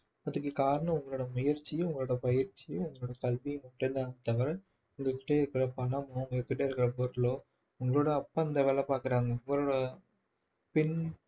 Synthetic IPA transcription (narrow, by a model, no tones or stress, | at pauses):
ɐðɯkːɯkaːɾɐɳɐ̃mʊŋɡɐɭoːɽɐmʊjɐɾt͡ʃːiʊŋɡɐɭoːɽɐpɐjɐɾt͡ʃːiʊŋɡɐɭoːɽɐkɐlʋiuŋɡɐkːɪʈːend̪aːŋɡɐt̪ɐʋɐɾɐ | ʊŋɡɐkːɪ̥ʈːeːɪɾɯkːɪɾɐpɐɳɐmoʊŋɡɐkːɪʈːeːɪɾɯkːɪɾɐpoɾloː | ʊŋɡɐɭoːɽɐːpːaːɪnd̪ɐʋɛːlɐpaːɾkɪɾaːŋɡɐʊŋɡɐɭoːɽɐ | pɛn